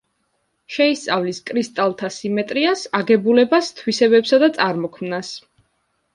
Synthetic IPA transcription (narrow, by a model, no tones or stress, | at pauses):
ʃɛist̪sʼavliskʼɾist̪ʼalˠt̪ʰasimɛt̪ʼɾiasaɡɛbulɛbast̪ʰwisɛbɛpsad̪at̪sʼaɾmɔkʰmnas